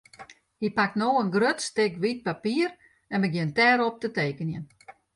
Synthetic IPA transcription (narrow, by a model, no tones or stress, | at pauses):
hipak̚tnoːənɡrøtstɪkʋit̚papiər | ɛnməɡjɪntɛːɾɔp̚təteːkənjən